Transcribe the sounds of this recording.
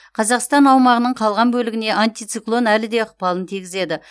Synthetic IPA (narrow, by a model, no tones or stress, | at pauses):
qʰɑzɑqst̪ɑnɑwmɑʁənəɴqʰɑlˠʁɑnbɵlɪɡʲɪne̞ʔant̪ijt̪siklˠo̞nælɪd̪e̞əq̚pɑlˠənt̪ʰiɡʲɪze̞d̪ɪ